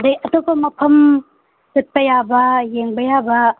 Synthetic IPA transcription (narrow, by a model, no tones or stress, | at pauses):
dɐjɐtopɐmɐpʰɐm | sɐt̚pɐjabɐjeŋbɐjabɐ